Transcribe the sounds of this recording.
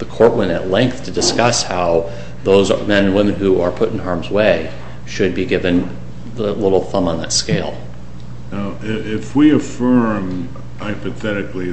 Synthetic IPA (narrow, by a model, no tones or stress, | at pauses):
ðəkʰɔɹʔ̚wɛ̃nɨ̰tˡlɛ̃ŋk̚θtʰɨdɨskʌshaʊ | ðoʊz̰mɛ̃nɨ̃nwɪ̃mɨ̃nhuə˞pʰʊɾn̩ɦɑɹmzəweɪ | ʃɨd̚biɡɪvɨ̃n | ðəlɪɾl̩ˠθʌ̃mə̃nðə̰tskeɪlˠ | naʊɪɪfwiɨfɜ˞m | aɪpɨθɛɾɨkli